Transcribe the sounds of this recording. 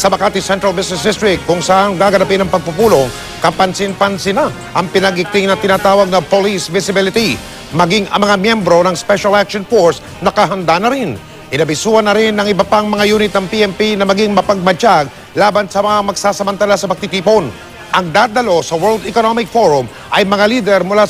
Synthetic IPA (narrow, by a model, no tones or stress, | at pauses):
sɐmɐkaːt̪ɪsɛnt̪ɾɐlbɪsnɛs̬d̪ɪst̪ɾɪk̚t̪̚kːʊŋsɐʔaŋɡaːɡɐnɐpɪnɐŋpɐɡ̚pupuːlo̞ŋ | kɐpɐnsɪnpɐnsɪna | ʔɐŋpɪnɐɡɪk̚t̪ɪŋnɐt̪ɪnaːt̪aːwɐɡ̚nɐpolisvɪsɪbɪlɪt̪i | mɐɡiŋɐ̰ŋmɐŋamjɛmbɾo̞nɐŋspɛʃɐlakʃonfoɹs | nɐkɐɦɐnd̪anɐɾɪn | ʔɪnɐbɪsuːɐnɐɾɪnːɐŋɪbɐpaŋmɐŋajuːnɪt̪̚nɐŋpiʔɛmpinɐmɐɡiŋmɐpɐɡ̚mɐt͡ʃaɡ̚ | laːbɐnsɐmɐŋamɐɡsaːsɐmɐnt̪alasɐpɐɡ̚t̪ɪt̪iːpon | ʔɐŋd̪ad̪ɐlo̞sɐwɛɹld̪ɛkonomɪk̚foɹʊm | ʔɐjmɐŋaliːd̪ɛɾmʊla